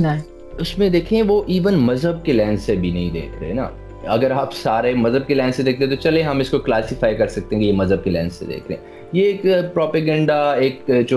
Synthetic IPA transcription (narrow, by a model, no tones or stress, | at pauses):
na | ʊsmẽd̪eːkʰːʋoʔiːʋənmɐzɦəb̚kelɛ̃ːnssebʱinɐɦĩd̪ḛːkʰɾḛɦɛ̰na̰ː | ɐɡəɾaːpsaːɾemɐzəb̚kelɛ̃ːnsed̪eːk̚t̪ẽɦẽt̪ot͡ʃɐlẽɦɐmɪskoklaːsɪfaːikɐɾsɐk̚t̪ẽɦẽɡejemɐzəb̚kelɛ̰̃ːnssḛd̪ḛːkʰɾḛɦḛ̃ | jeːkpɾɔːpeɡɛ̃ːɳɖaeːkd͡ʒo